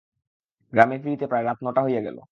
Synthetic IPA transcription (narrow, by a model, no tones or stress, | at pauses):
ɡɾamefiɾit̪epɾaeɾat̪nɔʈaɦojeɡɛ̰lo̰